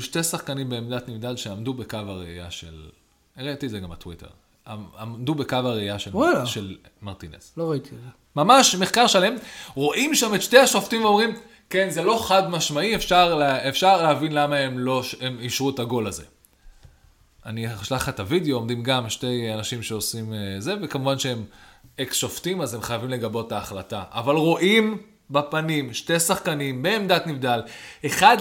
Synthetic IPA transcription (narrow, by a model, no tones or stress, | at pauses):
ʃte̞saχkanimbeːmd̪at̪nivd̪alʃeamdubekavaʁeḭja̰ʃḛl | eʁet̪ietzeɡa̰mat̪witḛʁ | aad̪ubekavaʁeijaʃelwalaʃel | maʁt̪inḛsloʁait̪ize | mamaʃme̞χkaʁʃale̞mʁo̞ʔimʃametʃteaʃoft̪imveo̞mʁim | kenzelo̞χadmaʃmaiefʃaʁlefʃaʁleavinlamaemlo̞ʃemiʃʁuetaɡo̞laze̞̰ | aniʃlaχat̪avideoːmd̪imɡamʃte̞janaʃimʃeosimze̞ve̞kamuvanʃeemeksʃoftimazemχajavimle̞ɡabo̞taːχla̰ta̰ʔa̰valʁo̞ʔim | bapanimʃte̞saχkanimbeːmd̪atnivd̪ale̞χad